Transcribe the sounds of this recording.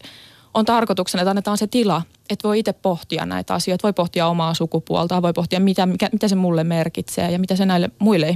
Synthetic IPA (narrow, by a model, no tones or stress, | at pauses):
ʔont̪ɑrkot̪uksenɑet̪ɑnːet̪ɑːnset̪ilɑ | et̪ʋoiit̪eppoht̪iɑ̰nnæ̰it̪ɑ̰sioit̪ʋoipoht̪iɑomɑːsukupuɑ̰lt̪ɑʋoipoht̪iɑmmit̪æmikæmit̪æsemulːemmerkit̪sḛːjɑmit̪æsenæilːemuilːe